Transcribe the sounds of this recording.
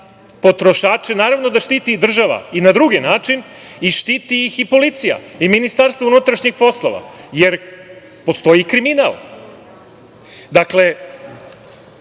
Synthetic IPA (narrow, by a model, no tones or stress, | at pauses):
po̞t̪ɾo̞ʃaːt͡ʃenaːɾavno̞d̪aʃt̪iːt̪id̪r̩ʒaʋa̰inad̪ɾuɡinaːt͡ʂin | iʃt̪iːt̪ijixipo̞lit̪sija̰iminist̪aɾst̪vounut̪ɾaʃɲixpo̞slˠo̞̰ʋa̰je̞ɾ | po̞st̪o̞jikɾiminal | d̪akle̞